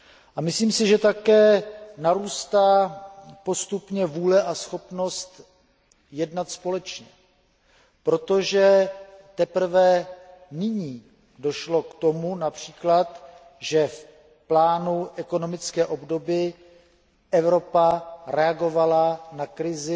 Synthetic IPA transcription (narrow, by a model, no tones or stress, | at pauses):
ʔamɪsliːmsɪʒɛt̪akɛːnaɾuːst̪aːpo̞st̪upɲɛvuːlɛʔasxo̞pno̞st̪ | jɛdnat̪spo̞lɛt͡ʃɲɛ | pɾo̞t̪o̞ʒɛt̪ɛpr̩vɛnɪɲiː | do̞ʃlo̞kt̪o̞munapr̝̥iːklat̪ | ʒɛf | plaːnuʔɛko̞no̞mɪt͡skɛːʔo̞bdo̞bɪ | ʔɛvɾo̞paɾɛaɡo̞valanakɾɪzɪ